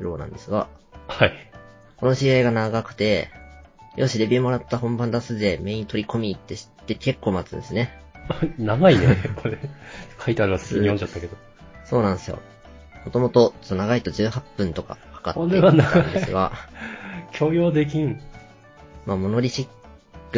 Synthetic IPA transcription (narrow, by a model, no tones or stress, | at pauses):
ɯɾo̞ːnã̰nd̪e̞sɨɡa̰hai | ko̞no̞ɕiaiɡanaɡakɯ̟̥t̪e̞ | jʔo̞ːɕiɾebʲimo̞ɾat̪ːahõ̞mbãnd̪asɨd̪e̞me̞ːi̟ĩt̪o̞ɾʲiko̞mʲiːt̪ːe̞ɕi̥t̪ːe̞kʰe̞kːo̞ːmat͡sɨ̰nd̪esɨne̞ | anaɡainekoɾekʰait̪eaɾiase̥kiɲijoɲt͡ɕat̪ːake̞d̪o̞ | so̞ːnãesɨjo̰ | mo̞t̪o̞mo̞t̪o̞t̪ːonaɡait̪o̞d͡ʑɨːhapːɯ̟̃nt̪o̞ka̰kḁka̰t̪oɾeβanaand̪ɨɡa̰ | kʲʰo̞ːjo̞ːd̪e̞k̬ʲĩŋ | maːmo̞no̞ɾʲiɕikː | ɯ